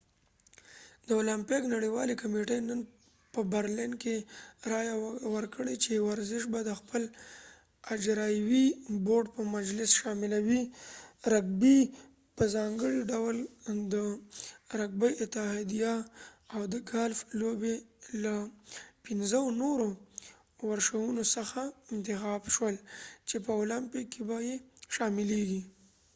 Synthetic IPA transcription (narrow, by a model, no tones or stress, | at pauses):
d̪əolampɪknaɽiwɑlikameʈəjnən | pəbaɾlinkeɾɑjawəɾkəɽet͡ʃewaɾzɪʃ̬bad̪əxpəl | ad͡ʒɾɑjwiboɖpəmad͡ʒlɪsʃɑmɪlawiɾaɡ̚bi | pəzɑŋɡəɽiɖawld̪ə | ɾaɡ̚bajɪt̪ɪɦɑd̪ijaːwd̪əɡalflobelapɪnzənoɾo | waɾʃawunosəxaɪnt̪ɪxɑbʃwəlt͡ʃepəolampikːebajeʃɑmɪleɡi